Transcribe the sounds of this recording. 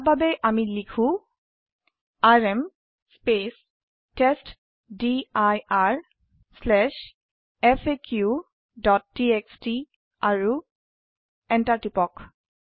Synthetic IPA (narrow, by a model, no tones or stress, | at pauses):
bʱabɛʔamilikʰũ | aɹɛm | spes | test | diajaɹ | slɛʃ | ɛpʰekʰju | dɔt̚ːieksti | aɹu | ɛntatipɔk